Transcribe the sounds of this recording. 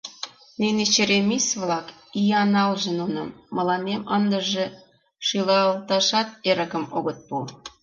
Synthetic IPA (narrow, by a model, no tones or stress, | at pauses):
nenet͡ɕeɾemisβlɑkijɑnɑlʒĕnunɑmːə̆lɑnemənd̪ə̆ʒĕ | ʃilɑlt̪ɑʃɑt̪̚eɾə̆kə̆moɣə̆t̪̚pu